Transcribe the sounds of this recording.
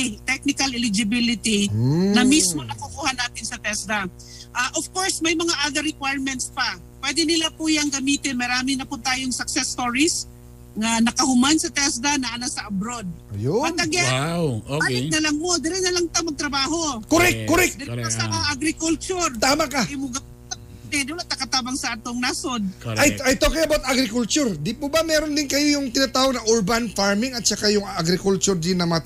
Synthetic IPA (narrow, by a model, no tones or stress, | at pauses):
t̪ɛk̚nɪkɐlɪlɪd͡ʒɪbɪlɪt̪inɐmismo̞nɐkʊkuːhanaːt̪ɪnsɐt̪ɛsd̪a | ʔaʔofkoɹsmɐjmɐŋaʔaɡɐɾɪkwajɹmɛnt̪spa | pwɛd̪ɪnɪlapʊjaŋɡɐmiːt̪ɪnmɐɾaːmɪnɐpʊt̪aːjoŋsɐk̚sɛst̪oɹis | ŋɐnɐkɐhʊmansɐt̪ɛsd̪anɐʔɐnasɐʔɐbɾod̪̚jɐɐɡɛawoaɪk̚nɐlɐŋmod̪ɪɾɪnɐlɐŋt̪ɐmɐɡ̚t̪ɾɐbaːɦokoɾɛkoɾɛkd̪ɪɾɐsamaɐɡɾɪkʊlt͡ʃʊɾt̪aːmakajʊmʊɡɐ | d̪ɛd̪ɪwlat̪ɐkɐt̪aːbɐŋsɐʔaːt̪oŋnasod̪̚ʔajajt̪okiŋɐbawt̪ʔaɡɾɪkʊlt͡ʃʊɾd̪ɪpʊbamɛːɾond̪ɪnkɐjojʊŋt̪ɪnat̪aːhonɐʔuɹbanfaɹmɪŋɐt̪̚t͡ʃɐkajʊŋaɡɾɪkʊlt͡ʃʊɾd̪ɪnːɐmɐa